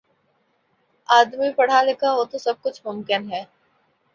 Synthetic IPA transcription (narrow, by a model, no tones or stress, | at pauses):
aːd̪mipɐɽ̤alekaɦot̪osɐb̚kʊt͡ʃʰmʊmkɪnɦɛː